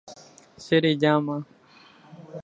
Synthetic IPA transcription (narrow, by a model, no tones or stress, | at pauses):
seɾiːd͡ʒaːmãː